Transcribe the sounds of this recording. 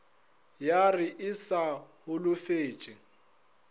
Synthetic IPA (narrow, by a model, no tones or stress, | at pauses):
jarɪʔɪsahʊlʊfeːt͡ʃʼɪ